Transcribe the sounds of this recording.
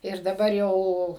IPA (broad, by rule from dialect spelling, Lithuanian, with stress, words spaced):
ɪr dɐˈbɐr jɛʊ